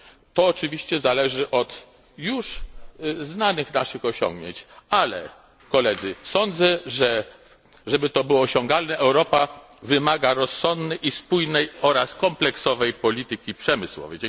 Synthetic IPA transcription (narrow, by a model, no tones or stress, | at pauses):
t̪ɔːt͡ʂɘvʲiɕt͡ɕɛzalɛʐɘʔɔt̪ | juʂ | znanɘxnaʂɘxɔɕɔ̰̃ŋɡɲḛɲt͡ɕalɛ̰ | kɔlɛd̪zɘsɔnd̪zɛʐɛ | ʐɛbɘt̪ɔbɘwɔːɕɔŋɡalnɛʔɛwɾɔpa | vɘmaɡaɾɔsːɔnd̪nɛjʔispujnɛjɔɾaskɔmplɛksɔvɛjpɔlʲit̪ɘkʲipʂɛmɘswɔ̰vɛ̰jd͡ʑ